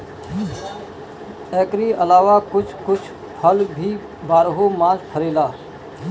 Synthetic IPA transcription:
ɛ̃ːkɾiəlaːʋaːkʊt͡ʃʰkʊt͡ʃʰ | pʰəlbʱiː | baːɾɦomãːzpʰəɾeːlaː

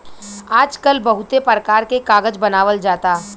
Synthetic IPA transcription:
aːd͡ʒkəlbɐɦʊt̪epɾəkaːɾkekaːɡəd͡ʒbɐnaːʋəld͡ʒaːt̪aː

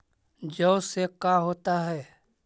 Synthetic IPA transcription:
d͡ʒəʊsekaːɦoːt̪aɦɛː

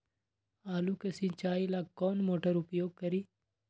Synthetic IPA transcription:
aːlukɐsĩt͡ʃaːilaːkːɔːnmoːʈəɾʊpjoːɡ̚kɐɾiː

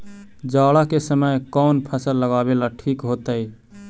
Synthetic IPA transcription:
d͡ʒaɽakesəməjkɔːnpʰəsəlːəɡabelaʈʰikɦot̪əj

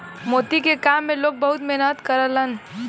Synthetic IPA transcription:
mot̪ikekamːelok̚bəɦut̪meɦnət̪kəɾələn

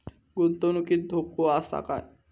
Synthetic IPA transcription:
ɡunt̪onukit̪̚d̪ʱop̚koast̪a̰ka̰j

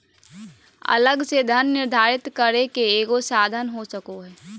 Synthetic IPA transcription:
ɐ̰ləɡsed̪ʱənːɪɾd̪ʱaːɾɪt̪kəɾekeeːɡosaːd̪ʱənɦosəkoɦɛː

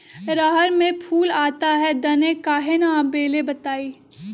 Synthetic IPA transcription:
ɾaɦəɾmẽpʰuːlaːt̪aɦɛd̪ɐnẽkaːɦenabeːlebɐt̪aːiː

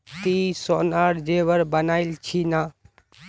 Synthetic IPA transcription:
t̪isoːnaːɽd͡ʒeːʋəɾbənaːilt͡ʃʰinaː

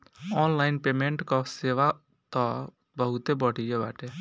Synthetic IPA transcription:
ɔnlaɪnpemẽɳʈkɔseʋa | t̪ɔ | bəɦut̪ebəɽ̤ʱijeba̰ːʈe

